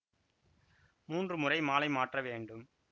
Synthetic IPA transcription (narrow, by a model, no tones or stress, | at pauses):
muːndrɯmʊrɐɪmaːlɐɪmaːʈrɐʋeːɳɖɯm